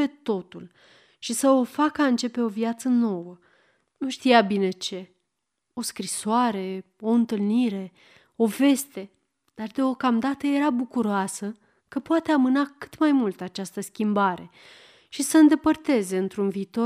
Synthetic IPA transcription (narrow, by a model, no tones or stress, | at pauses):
et̪o̞t̪ul | ʃisəo̞fakəaɨnt͡ʃe̞pe̞o̞vjat̪səno̞wə | nuʃt̪ijabine̞t͡ʃe̞ | o̞skɾisoaɾe̞ | o̞ɨnt̪ɨlniɾe̞ | o̞ve̞st̪e̞ | d̪̥ard̪eo̞kamd̪at̪əje̞ɾabukuɾoasə | kəpoat̪e̞amɨnakɨ̥t̪majmult̪at͡ʃast̪əskʲimbaɾe̞ | ʃisəɨnd̪e̞pərt̪e̞ze̞ɨnt̪ɾunviːt̪o̞